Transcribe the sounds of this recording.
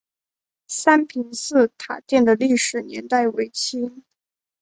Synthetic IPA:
sa˥npʰi˧˥ŋsɹ̩˥˩t̪ʰa˨˩t̪jɛ˥˩nd̪ə˩li˥˩ʂɻ̩˨˩njɛ˧˥nt̪a˥˩ɪwe˧˥ɪt͡ɕʰi˥

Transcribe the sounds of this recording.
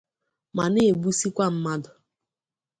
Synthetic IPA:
ma˨ne˦e˨ɡ͡bu˦si˦kʷa˦m̩˦ma˦dʊ˨

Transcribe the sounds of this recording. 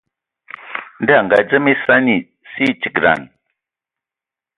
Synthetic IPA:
nda˦˨ŋɡa˨d͡zə˦mi˦sa˦ni˨ | si˦t͡ʃi˨ɡɾa̰˨n

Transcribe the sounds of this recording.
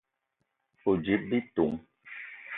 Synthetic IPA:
u˨d͡ʒi˨˦p̚bi˦tu˨ŋ

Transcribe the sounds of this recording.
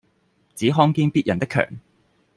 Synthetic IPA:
t͡siː˨˥ɦɔː˥ŋkiː˧npiː˥t̚jɐ˨˩nt̪ɪ˥kʰːœ̰ː˨˩ŋ

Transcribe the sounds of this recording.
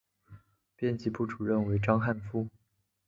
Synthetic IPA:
pjɛ˥˧nt͡ɕi˧˥pu˥˩ʈ͡ʂu˨˩ɻə˥˩nwe˧˥ɪʈ͡ʂɑ˥ŋxa˥˩nfu˥

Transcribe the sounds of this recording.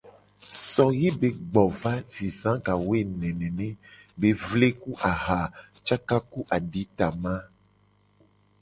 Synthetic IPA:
sɔ˨je˦be˨ɡ͡bɔ˨va˦zi˨sã˦ka˨we˦˨nɛ̃˨nɛ̃˨nẽ˦be˨vle˦ku˦ʔa˨ɦa˨ | t͡ʃa˦ka˦ku˦ʔa˨ɖi˨˦t̪a˨mã˦

